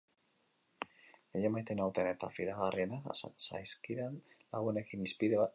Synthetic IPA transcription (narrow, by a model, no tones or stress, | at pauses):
eʎemajt̪enawt̪enet̪a̰fiðaɣarienasa̰jskiɾenlaɣune̞kinispiðeβa